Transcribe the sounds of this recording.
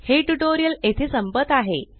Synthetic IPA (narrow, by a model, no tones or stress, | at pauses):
heʈuʈoɾijəlet̪ʰesəmpəd̪aɦe